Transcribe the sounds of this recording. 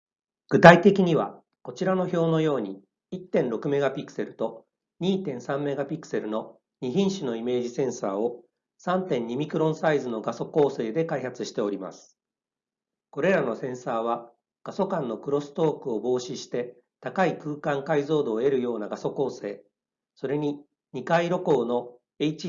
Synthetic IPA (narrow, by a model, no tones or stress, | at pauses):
ɡ̥ɯ̟t̪ait̪e̞kʲiɲ̟iβa | ko̞t͡ɕiɾano̞ço̞ːno̞jo̞ːɲ̟i | it̪ːẽ̞nɾo̞kɯ̟me̞ɡapʲikːɯ̥se̞ɾɯ̟t̪o̞ | ɲ̟iːt̪ẽ̞ɰ̃sãmːe̞ɡapʲikːɯ̟̥se̞ɾɯ̟no̞ | ɲ̟içĩɰ̃ɕɨno̞ime̞ːʑisẽ̞ɰ̃sa̰ːo̞ | sãnt̪ẽ̞ɲ̟ːimʲikɯ̟ɾõ̞saizɨno̞ɡaso̞ko̞ːse̞ːd̪e̞kaihat͡sɨɕi̥t̪e̞o̞ɾʲima̰sɨ̥ | ko̞ɾe̞ɾano̞sẽ̞ɰ̃saːβ̞a | ɡ̥aso̞kãnːo̞kɯ̟ɾo̞sɨ̥t̪o̞ːkɯ̟o̞bo̞ːɕiɕi̥t̪e̞ | t̪akaikɯ̟ːkãŋkaizo̞ːd̪o̞ːe̞ɾɯ̟jo̞ːnaɡaso̞ko̞ːse̞ː | so̞ɾe̞ɲ̟i | ɲ̟ikaiɾo̞ko̞ːno̞ | e̞it͡ɕi